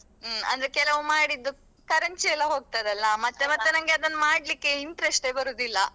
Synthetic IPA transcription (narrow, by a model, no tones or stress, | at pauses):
ɐ̰nd̪ɐɾekɛlɐʋumaːɽid̪ːu | kɐɾɐɲt͡ʃiɛlːɐɦo̞ːɡ̚t̪ajd̪ɐlːɐmɐt̪ːe̞mɐt̪ːenɐŋɡeɐd̪ɐnːɐmaːɽlikːe̞iɳʈɾesʈe̞ːbɐɾoːd̪ilːɐ